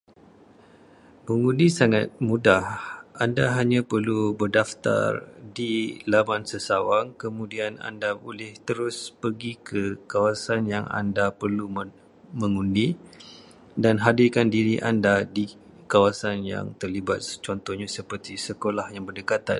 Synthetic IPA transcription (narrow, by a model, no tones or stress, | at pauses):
məŋundisaŋat̪̚mudahʔandaɦaɲãpərlubərdaft̪a̰rdilamansəsawaŋkəmũdiana̰ndaolɪht̪əɾʊspərɡikʰəkawasanjaŋa̰ndapərlu | mə̃ŋundi | danɦadɪkandiɾiʔandadi | kawasanja̰ŋt̪ərliba̰t̪̚t͡ʃɔnt̪ɔhɲasəpərt̪isəkolahjaŋbərdəkat̪a̰n